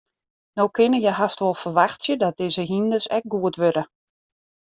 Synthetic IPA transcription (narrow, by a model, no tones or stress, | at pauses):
nowkʰɪnəjɛɦastʋolˠfərʋaxtsjədɔt̚dɪːzəɦindəsɛ̰k̚ɡuətʋøɾə